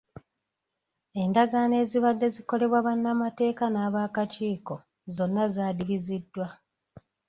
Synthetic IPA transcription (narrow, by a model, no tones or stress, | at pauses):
e̞ndaɡaːne̞ːziβadːe̞ziko̞le̞βwaβanːamate̞ːkanaːβaːkat͡ʃiːko̞ | zo̞nːazaːdiβizidːwa